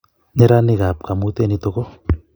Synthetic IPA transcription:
ɲeɾanikap̚kamut̪enit̪oɡo

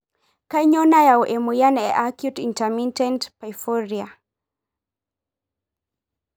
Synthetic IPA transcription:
kajɲɔnajauʔɛmujanɛʔakjutintamintɛntpafɔɾia

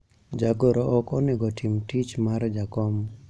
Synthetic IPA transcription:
d͡ʒaɡɔɾɔʔɔkɔneɡɔtʰimtit͡ʃmaɾd͡ʒakɔm

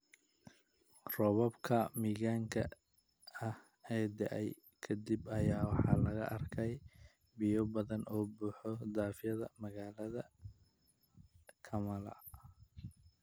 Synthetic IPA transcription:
rɔβɔbkʰɐmiːɣaːŋkʰɐ̰ | ɐh | ɛːd̪ɛ̰ʔɛj | kʰɐd̪ibɐjaːwɑħɑ̰ːlɐɣɐ̰ʔɐrkʰɛj | bɪjɔbɐðɐnɔːbuːħɔd̪aːfjɐðɐ̰mɐɣaːlɐðɐ | kʰɐmɐlɐ̰

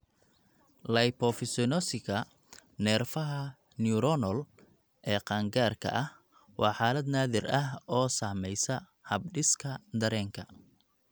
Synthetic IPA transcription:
lɐjpɔfɪsɔnɔsɪɣɐ | nɛːrfɐɦɐ | niuɾɔnɔl | ʔɛːqɑːŋɡaːrkʰɐ̰ʔɐh | wɑːħaːlɐd̪naːðɪrɐɦɔːsaːmɛjsɐ | hɐb̚ɖɪskʰɐd̪ɐɾɛːŋkʰɐ

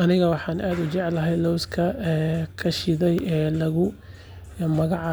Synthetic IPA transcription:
ɐnɪɣɐwɑħɑːnʔaːd̪ʊt͡ʃɛʕlɐɦɛjlɔwskʰɐkʰɐʃɪðɛjɛːlɐɣʊ | mɐɣɑʕ

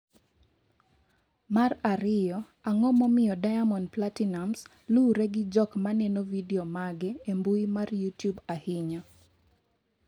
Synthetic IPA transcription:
maraɾɪjɔ | aŋɔmɔmɪjɔdajamɔnplatinams | luɾɛɡɪd͡ʒɔkmanɛnovidɛomaɡɛembuimarjutjubahɪɲɔ

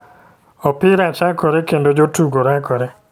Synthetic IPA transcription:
ɔpɪɾat͡ʃakɔɾɛkendod͡ʒotuɡoɾakɔɾɛ

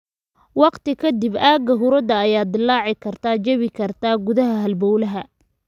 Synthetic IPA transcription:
wɑqt̪ɪkʰɐd̪ɪbaːɡɐɦʊɾɐd̪ɐːjaːd̪ɪlːɑːʕɪkʰɐrt̪ʰat͡ʃɐβɪkʰɐrt̪ʰaːɡʊðɐɦɐɦɐlbɔwlɐɦɐ

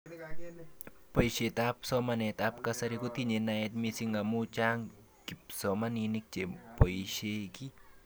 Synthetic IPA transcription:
poiset̪apsɔmanet̪ap̚kasaɾikut̪iɲenaet̪̚misiŋɡamut͡ʃaŋ | kip̚sɔmaninik̚t͡ʃepoiʃeki

